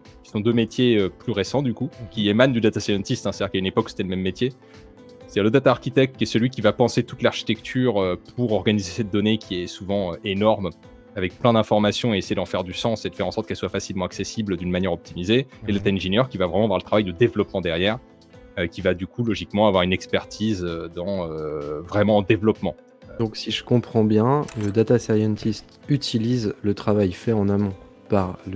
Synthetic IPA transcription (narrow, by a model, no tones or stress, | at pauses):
kʲi̥sɔ̃d̪ømet̪jeøplyʁesɑ̃d̪ykukʲiemand̪yd̪at̪asajɑ̃t̪ist̪ɛ̃st̪d̪iʁkaynepɔkːu̥se̥t̪ɛləmɛmːet̪je | se̥d̪iʁləd̪at̪aːʁkit̪ɛk̚t̪kʲiɛsəlɥik̬ʲivapɑ̃set̪ut̪laʁʃi̥t̪ɛk̚t̪ʰyʁøpʰuʁɔʁɡanizesɛt̪̚d̪ɔnekʲʰiɛsuvɑ̃øenɔʁm | avɛk̚plɛ̃d̪ɛ̃fɔʁmasjɔ̃eesejed̪ɑ̃fɛʁd̪ysɑ̃sed̪ə̥fɛʁɑ̃sɔʁt̪kɛlswafasilmɑ̃aksesibld̪ynmanjɛʁɔp̚t̪imizeelat̪aɛ̃ʒenjœʁkʲivavʁɛmɑ̃avwaʁlət̪χavajd̪əd̪evlɔpmɑ̃d̪ɛʁjɛʁ | økʲivad̪ykulɔʒikmɑ̃avwaʁynɛkspɛʁt̪ʰizød̪ɑ̃øvʁɛmɑ̃d̪evlɔpmɑ̃ | d̪ɔ̃ksiʒəkɔ̃pχɑ̃bjɛ̃ləd̪at̪asajɑ̃nt̪ist̪yt̪ʰilizlət̪χavajfɛɑ̃namɔ̃ | paʁl